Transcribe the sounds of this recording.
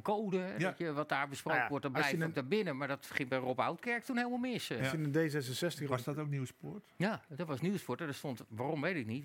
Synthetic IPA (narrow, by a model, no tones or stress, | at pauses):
nkoːdəɦɛdɔjəʋɔt̚daːɹbəsprowkənʋɔɹt̚dɔblɛjɔdabɪnəmaɹdɔtχɪŋbɛjropawtkɛɹk̚tunheɪlˠmalˠmɪsinədesɛs̬ənsɛstədɔtokniwspʊɹtjadɔtʋɔsniwspʊtmadɔtstontʋaːromʋejtɪk̚nit